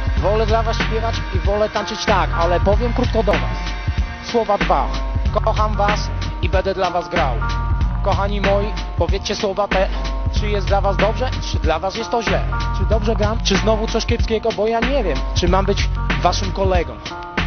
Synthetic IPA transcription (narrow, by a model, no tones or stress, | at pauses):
vɔlɛd̪lavasɕpʲjɛvat͡ɕivɔlɛt̪ant͡ʂɘt͡ɕt̪akalɛpɔvʲjɛmkɾut̪̚kɔd̪ɔva̰s | swɔvad̪vakɔxamvasibɛnd̪ɛd̪lavazɡɾawkɔxaɲimɔjipɔvʲjɛt̪t͡s̪t͡ɕɛswɔvat̪ɛt͡ʂɘjɛst̪lavasd̪ɔbʐɛt͡ʂɘd̪lavasjɛst̪t̪ːɔʑlɛt͡ʂɘd̪ɔbʐɛɡɾamt͡ʂɘznɔvut̪sɔɕkʲɛpskʲɛɡɔbɔjaɲɛvʲjɛmt͡ʂɘmambɘt͡ɕvaʂɘmkɔlɛɡɔm